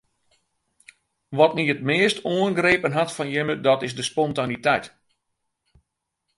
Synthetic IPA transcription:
ʋɔtniət̚mɪːəstʰoənɡreːpənɦatfɔnjɪmədɔtɪzdəspɔntanitɛjt

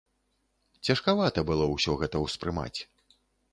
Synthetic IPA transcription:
t͡sʲɐʂkavat̪ɐbɨlˠɔwsʲɔɣɛt̪ɐwspɾɨma̰t͡sʲ

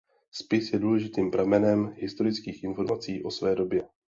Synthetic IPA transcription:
spɪsjɛduːlɛʒɪt̪iːmpɾamɛnɛmɦɪst̪o̞ɾɪt͡skiːxʔɪnfo̞ɾmat͡siːʔo̞svɛːdo̞bjɛ

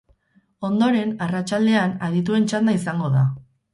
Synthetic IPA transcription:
o̞nd̪o̞ɾe̞narat͡ʃald̪e̞anaðit̪̬ue̞nt͡ʃand̪aisaŋɡo̞ða

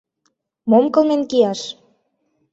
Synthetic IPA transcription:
momkɤ̆lmenkijɑʃ

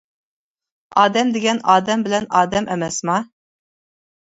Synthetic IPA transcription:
ɑːd̪ɛmd̪eɡʲɛnɑːd̪ɛmbɪlɛnɑːd̪ɛmʔɛmɛsmɑ

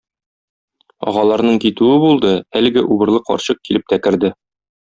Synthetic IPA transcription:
ɒ̰ʁɑlˠɑɾnɤɴkit̪ʉɘbulˠd̪ɤælɘ̆ɡɘʔubɤ̆ɾlˠɤqɒ̰ɾɕɤq̚kilɘp̚t̪ækɘ̆ɾd̪ɘ

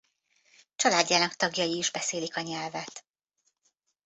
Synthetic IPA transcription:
t͡ʃɒlaːdːaːnɒkt̪ɒɡjɒjiːʒbɛseːlikɒɲɛlvɛt̪

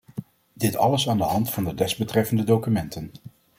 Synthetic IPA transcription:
d̥ɪtɑ̰ləsaːndəɦɑntfɑndədɛzbətrɛfəndədowkymɛntən

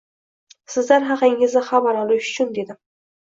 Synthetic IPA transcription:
sɪzlaɾɦɑqɪŋɪzɪχabaɾɒlˠɪʃʊt͡ʃʰʊnd̪e̞d̪ɪ

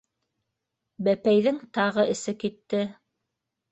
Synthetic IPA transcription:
bæpæjðɘŋt̪ɑʁɤʔɘ̆sɘkit̪ːɘ

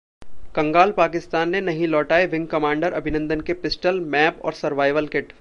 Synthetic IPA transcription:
kɐ̃ŋɡaːlpaːkɪst̪aːnːenɐɦĩlɔːʈaːeʋɪ̃ŋɡ̚kɐmãːɳɖəɾʔɐbʱɪnə̃nd̪ənkepɪsʈəlmɛːpɔ̰ːɾsɐɾʋaːɪʋəlkɪʈ

